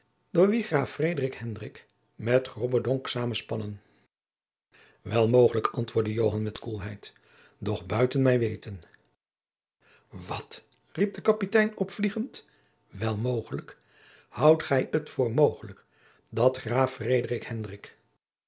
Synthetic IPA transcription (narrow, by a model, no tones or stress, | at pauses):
d̥ʊːɹʋiχraːfrejdərɪkhɛndrɪk | mɛtχrɔbədɔŋksaːmənspɑnən | ʋɛlˠmowχələkʰɑntʋʊːɹdəjowɦɑnmɛtkulˠɦɛjt | dɔχbœɥtənmɛjʋejtən | ʋɑt | rip̚dəkɑpitɛjnɔpfliχənt | ʋɛlˠmowχələk | hɑwtχɛjətfʊːɹmowχələk | dɑtχraːfrejdərɪkhɛndrɪk